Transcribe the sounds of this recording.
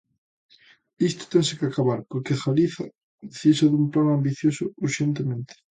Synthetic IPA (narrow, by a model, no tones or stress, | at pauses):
ist̪o̥t̪ensekakaβaɾpoɾkexaliθa̰ | ðθisaðumplanãmbiθjosʊuɾʃent̪emẽnt̪e̥